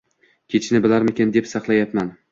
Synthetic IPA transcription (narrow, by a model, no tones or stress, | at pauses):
kʲʰet͡ʃʰnɪbɪlaɾmekʲend̪epsɑqlˠajapman